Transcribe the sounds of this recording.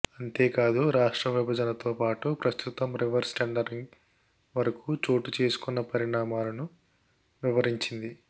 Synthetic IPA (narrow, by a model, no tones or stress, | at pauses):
ɐnt̪e̞ːkaːd̪uɾaːʂʈɾɐʋibʱɐd͡ʒɐnɐt̪o̞ːpaːʈupɾɐst̪ut̪ɐmɾiʋɐɾsʈɐɳɖɐɾiŋɡ | ʋɐɾɐkuːt͡ʃo̞ːʈut͡ʃe̞ːsu̥kunːɐpɐɾiɳaːmaːlɐnu | ʋiʋɐɾiɲt͡ʃind̪i